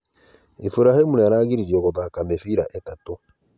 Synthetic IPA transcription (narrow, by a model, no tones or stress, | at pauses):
ifuɾahimunaɾaːɣiɾiɾiɔɣɔðaːkamefiɾa̰ʔetato